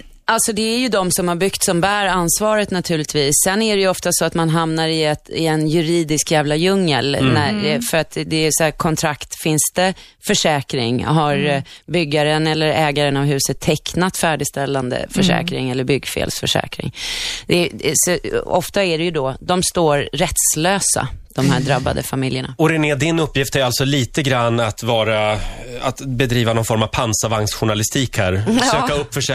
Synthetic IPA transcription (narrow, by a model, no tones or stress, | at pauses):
alt̪sɔd̪ɛæɾjɵd̪ɔmsɔmhaɾbʏkt̪sɔmbæːɾansvɑːɾət̪nat̪ʰʉ̟ːlɪt̪viːsːɛnːæɖɛjɵɔft̪asɔat̪manɦamnaɾɪɛt̪ɪ̰ɛnjɵɾiːd̪ɪskjæːvlajɵŋːə̰lnæɛfœɾat̪d̪ɛsɔækʰɔnt̪ʰɾakt̪fɪnst̪ə | fœʂɛːkɾɪ̰ŋɦaɾbʏɡːaɾənɛlːəɾɛːɡaɾənavɦʉ̟ːsət̪ʰːɛknat̪fæːɖɪst̪ɛlːand̪ə̰fœʂɛ̰ːkɾɪŋɛlːəɾbʏɡːfḛːlsfœ̰ʂɛ̰ːkɾɪ̰ŋd̪ɛsɔɔ̰ft̪aæɖɛjɵd̪ɔd̪ɔmst̪oːɾɾɛt̪sløːsa̰d̪̥ɔmɦæːɖɾabːa̰d̪ə̰famɪljəɳa̰ɔɾɛneːd̪ɪnɵpːjɪft̪æɾalt̪sɔliːt̪əɡɾanːat̪vɑːɾaat̪bɛd̪ɾiːvanɔnfɔɾmav̥pʰansavaŋsɧʊɳalɪst̪ʰiːkhæɾsøːkaɵpːfœʂ